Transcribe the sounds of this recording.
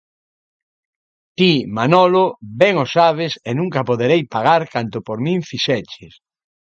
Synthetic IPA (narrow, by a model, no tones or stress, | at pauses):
t̪imanɔlobɛŋosaβ̞esenũŋkapoðeɾejpaɣaɾkant̪opoɾmĩŋfiʃɛt͡ʃes